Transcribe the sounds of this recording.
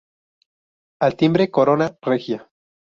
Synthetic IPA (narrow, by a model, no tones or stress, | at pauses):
alt̪imbɾekoɾonarexja